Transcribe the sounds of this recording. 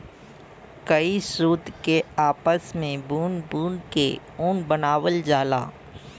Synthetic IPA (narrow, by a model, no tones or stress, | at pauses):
kəisuːd̪keaːpəsmẽbuːnbuːnke | uːnbənaːwəld͡ʒaːla̰ː